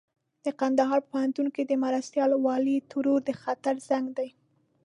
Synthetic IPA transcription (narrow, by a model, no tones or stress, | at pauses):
d̪̥əqand̪aɦɑɾpəpʊhant̪unkid̪əmaɾast̪jɑlwɑlit̪ʊɾuɾd̪əxat̪aɾzaŋɡd̪aj